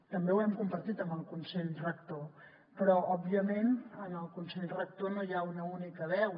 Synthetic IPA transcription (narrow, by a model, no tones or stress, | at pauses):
t̪əmbewɛmkumpəɾt̪it̪əmbəlˠkunseʎrək̚t̪o | pɾɔɔbiəmenənəlˠkunseʎrək̚t̪onojaunəunikəβɛw